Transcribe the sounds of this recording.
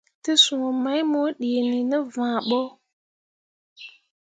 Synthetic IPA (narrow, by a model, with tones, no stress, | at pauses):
tə˦sũ˨o˨ma˦jmo˦ɗe˨ni˨nə˦vãː˨ɓo˦